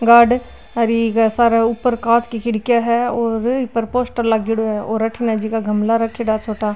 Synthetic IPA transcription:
ɡaːɖ | ɐɾikasaːɾaʊpːəɾkaːt͡ʃkikɪɽkjaɦɛɔːɾpəɾpoːsʈəɾlaɡɪɽoɛɔːɾɐʈʰinad͡ʒikaɡʱɐmlaɾɐkʰːɪɽat͡ʃʰoːʈaː

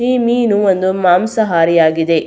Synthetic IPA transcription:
iːmiːnuond̪umaːmsɐɦaːɾijaːɡid̪e̞

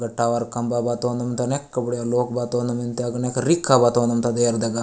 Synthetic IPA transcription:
ɡɐʈːaːʋaɾkɐmbaːbaːt̪oːnd̪ɐmnt̪ɐnekːɐbuɽjaloːkbaːt̪oːnd̪ɐmint̪eɐɡɐnekɐɾikʰːabaːt̪ond̪ɐmt̪ad̪eɐɾd̪ɐɡa

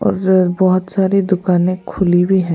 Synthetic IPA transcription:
ɔ̰ːɾbɔɦʊt̪saːɾed̪ʊkaːnẽkʰʊlibʱiɦɛ̃

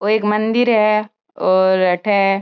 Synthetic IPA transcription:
oeːkmɐnd̪iɾɦɛ | ɔːɾɐʈʰɛ

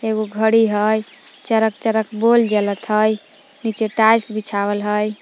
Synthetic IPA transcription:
eɡoɡʱəɽiɦəj | t͡ʃəɾək̚t͡ʃəɾəkbold͡ʒelət̪ɦəj | nit͡ʃeʈajsbit͡ʃʰabəlɦəj

